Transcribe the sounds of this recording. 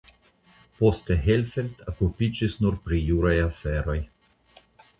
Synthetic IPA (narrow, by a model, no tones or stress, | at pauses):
po̞steɦelfelt̪okupid͡ʒisnuɾpɾijuɾajafeɾo̞j